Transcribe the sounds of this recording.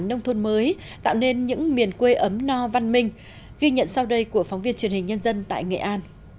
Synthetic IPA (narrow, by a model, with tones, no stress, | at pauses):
nə˧wŋ͡mt̪ʰo˧nməː˨˦j | t̪a̰ː˧˨wne˧nɲɨ̰˧˥ŋmi˨˩ənkwe˧ʔə˨˦mnɔ˧va˧nmï˧ŋ̟ | ɣi˧ɲə̰˧˨nsa˧wɗə˧jku˧˩əfa˨˦wŋ͡mvi˧ənt͡ɕi˨˩ənhï˨˩ŋ̟ɲə˧nzə˧nt̪a̰ː˧˨jŋḛ˧˨ʔaː˧n